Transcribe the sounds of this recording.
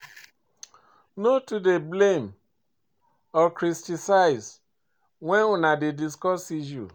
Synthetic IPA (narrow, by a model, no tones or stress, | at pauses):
notudeblem | ɔkɾistisaɪs | wɛ̃nunadediskɔsiʃṵ